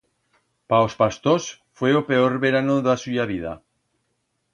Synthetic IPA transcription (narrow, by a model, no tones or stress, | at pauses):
paospast̪osfweopeoɾβeɾanoðasujaβ̞ið̞a̰